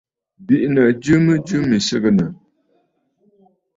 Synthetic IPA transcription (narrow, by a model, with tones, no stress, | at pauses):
bi˦ʔnə˨d͡ʒʉ˦mə˦d͡ʒʉ˦mi˨sə˦ɣə˦˨nə˨